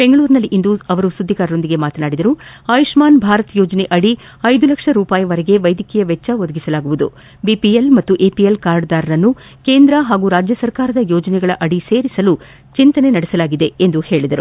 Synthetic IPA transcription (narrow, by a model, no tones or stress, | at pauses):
b̥eŋɡɐɭuːɾnɐlːiʔind̪uɐʋɐɾusud̪ːikaːɾɐɾo̞nd̪iɡe̞maːt̪ɐnaːɽid̪ɐɾuaːjuʂmaːnbʱaːɾɐt̪jɔːd͡ʒɐneʔɐɽi | ɐjd̪ulɐkʂɐɾuːpaːjɐʋɐɾɛɡe̞ʋɐjd̪ikɛjɐʋɛt͡ʃːɐʋod̪ɐɡisɐlaːɡuʋud̪ṵ | biːpielmɐt̪ːuʔeːpijelkaːɾɖd̪aːɾɐɾɐnːu | ke̞ːnd̪ɾɐɦaːɡuːɾaːd͡ʒjɐsɐɾkaːɾɐd̪ɐjoːd͡ʒɐnɛɡɐɭɐʔɐɽise̞ːɾisɐlu | t͡ʃint̪ɐne̞nɐɽɛsɐlaːɡid̪e̞end̪uhe̞ːɭid̪ɐɾu